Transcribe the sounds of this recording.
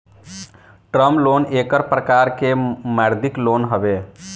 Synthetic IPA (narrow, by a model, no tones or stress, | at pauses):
ʈɾəmlonekəɾpɾəkaɾkemaɾd̪ʱiklonɦəbe